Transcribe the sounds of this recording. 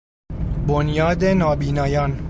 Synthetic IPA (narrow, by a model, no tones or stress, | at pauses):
bonjɒːd̪enɒːbiːnɒːjɒːn